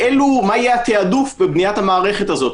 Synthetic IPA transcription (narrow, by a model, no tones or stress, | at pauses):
ʔelumaajeat̪eadufbebnijat̪hamaːʁe̞χe̞tazo̞t̪